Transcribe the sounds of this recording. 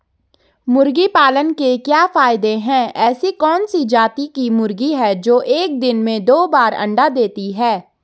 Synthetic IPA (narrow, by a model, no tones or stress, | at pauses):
mʊɾɡipaːlənkekjaːfaːɪd̪eɦɛ̃ːɛːsikɔːnsid͡ʒaːt̪ikimʊɾɡiɦɛd͡ʒoːʔeːk̚d̪ɪnmẽd̪oːbaːɾɐ̰̃ɳɖad̪eːt̪iɦɛː